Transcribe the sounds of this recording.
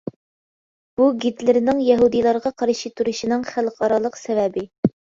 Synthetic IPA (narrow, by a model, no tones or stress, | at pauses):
b̥uɡʲit̪lɪɾnɪŋjɛɦud̪ijlˠɑɾʁɑqʰɑɾʃit̪ʰuɾuʃinɨŋχælqʰɑɾɑlˠəqsɛvɛbɪ